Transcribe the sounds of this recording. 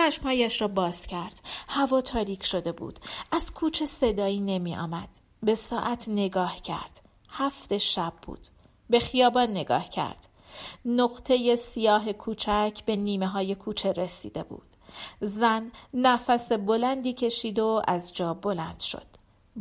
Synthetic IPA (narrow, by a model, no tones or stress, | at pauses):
t͡ʃæʃmhɒːjæʃɾɒːbɒːz̥cʰæɾd̪̥hævɒːt̪ʰɒːɾiːcʰʃo̞d̪e̞bṵːd̪̥ʔæz̥kʰuːt͡ʃʰe̞se̞d̪ɒːiːne̞miːʔɒ̰ːmæd̪̥ | be̞sɒːʔæt̪ʰne̞ɡɒːhcʰæ̰ɾd̪̥ | hæft̪e̞ʃæb̚ːṵːd̪̥ | be̞xijɒːbɒːnːe̞ɡɒ̰ːhcʰæ̰ɾd̪̥ | noɣt̪ʰe̞je̞sijɒːɦe̞kʰuːt͡ʃʰæcʰbe̞niːme̞ɦɒːje̞kʰuːt͡ʃʰe̞ɾesḭːd̪e̞bṵːd̪̥zænːæfæse̞bo̞lænd̪iːcʰe̞ʃiːd̪o̞æzd͡ʒɒːbo̞lænd̪̥ʃo̞̰d̪̥